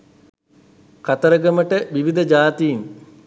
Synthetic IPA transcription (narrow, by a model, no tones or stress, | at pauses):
kat̪əɾəɡəməʈəʋiʋid̪əd͡ʒaːt̪ijiŋ